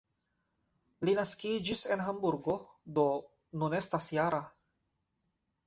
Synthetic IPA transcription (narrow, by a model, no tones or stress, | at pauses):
linaskid͡ʒisɛnɦambuɾɡod̪o | nunɛst̪asjaɾa